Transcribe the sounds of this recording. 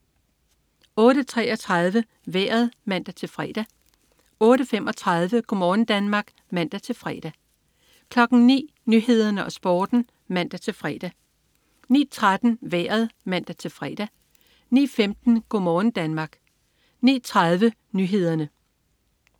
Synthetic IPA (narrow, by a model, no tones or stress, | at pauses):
ɔ̽ːɾət͡sʰʁɛ̰ːʔɒ̽t͡sʰʁɑ̈ðˠʋə | ʋeːɐð̞ˠmæn̰d̥æt͡sʰe̝lfʁɛ̰ːd̥æ | ɔ̽ːɾəfemʔɒ̽t͡sʰʁɑ̈ð̞ˠʋəɡ̥omɒːn̩d̥ænmɑ̈ːɡ̥ | mæn̰d̥æt͡sʰe̝lfʁɛ̰ːd̥æ | kʰlɒ̽ɡ̥n̩nḭː | nyɦe̝ð̞ˠɐnəʔɒ̽sb̥ɒːd̥n̩ | mæn̰d̥æt͡sʰe̝lfʁɛ̰ːd̥æ | nḭːt͡sʰʁad̥n̩ʋeɐð̞ˠmæn̰d̥æt͡sʰe̝lfʁɛ̰ːd̥æ | nḭːfemd̥n̩ɡ̥omɒːn̩d̥ænmɑ̈ːɡ̥ | nḭːt͡sʰʁɑ̈ð̞ˠʋə | nyːɦe̝ð̰ˠɐnə